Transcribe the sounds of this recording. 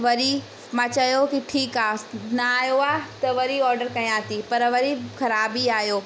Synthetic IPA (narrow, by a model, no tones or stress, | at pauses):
ʋɐɾi | mãːt͡ɕɐjokiʈʰiːkaːnɐaːɦjoaːt̪ɐʋɐɾiɔːɾɖəɾkɐj̃aːt̪ipɐɾʋɐɾixɐɾaːbiaːɦijoː